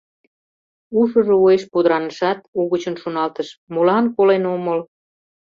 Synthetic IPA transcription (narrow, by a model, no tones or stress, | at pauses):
uʃə̆ʒoueʃpud̪əɾɑnəʃɑt̪uɣət͡ɕənʃonɑlt̪əʃmulɑnkolenoməl